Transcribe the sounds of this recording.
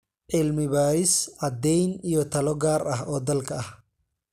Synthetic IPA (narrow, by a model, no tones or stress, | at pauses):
ʕɪlmɪβaːɪsʕɑd̪ɛjnijɔt̪ʰɐlɔɡaːrɐɦɔːd̪ɐlkʰɐɐh